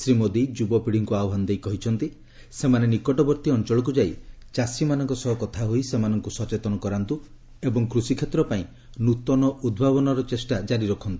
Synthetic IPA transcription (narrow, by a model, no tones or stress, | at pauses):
sɾimod̪id͡ʒubɔpiɽ̤iŋkuawɦand̪ejkɔɦit͡ʃʰɔnt̪i | semanenikɔʈɔbɔɾt̪iɔnt͡ʃɔɭɔk̬ud͡ʒai | t͡ʃasimanɔŋkɔsɔɦɔkɔt̪ʰaɦoisemanɔŋkusɔt͡ʃet̪ɔnɔkɔɾant̪u | ebɔŋkɾusikʰet̪ɾɔpaĩ | nut̪ɔnɔʔud̪̚bʱaβɔnɔɾɔt͡ʃesʈad͡ʒaɾiɾɔkʰɔnt̪ui̥